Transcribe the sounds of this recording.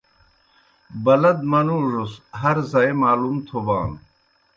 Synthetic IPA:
bɐlɐd̪̚mɐnuːʐosɦɐɾzaemaːlumt̪ʰoba̰ːn

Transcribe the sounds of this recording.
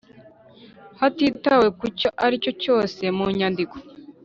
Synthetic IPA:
hatitawe̞kuco̞ʔaɾico̞co̞ːse̞muɲandiko̥

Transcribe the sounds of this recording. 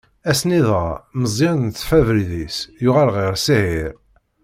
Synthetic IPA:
æsniðˤʁaməzˤːiɾnθfævəlðisjʊʁælʁiɾsihiɾ

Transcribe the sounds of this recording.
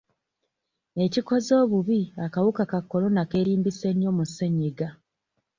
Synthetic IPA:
e̞ciko̞zo̞ːβuβiakawukakakːo̞lo̞nake̞ːɾiːmbise̞ɲːo̞museɲeɡa

